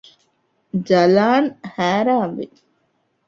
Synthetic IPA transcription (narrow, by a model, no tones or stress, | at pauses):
d͡ʒɐlaːnhæːɾaːmʋḭ